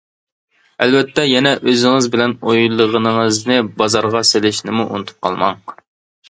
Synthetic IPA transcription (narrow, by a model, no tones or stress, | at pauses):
ɛlvɛt̪ʰːɛjɛnɛʔøzɪŋɨzbɪlɛnojlˠːəʁənɨŋəznɨbɑzɑɾʁɑselɪʃnɪmuʔṵnɨt̪ʰu̥p̚qʰɑ̰lˠmɑɴ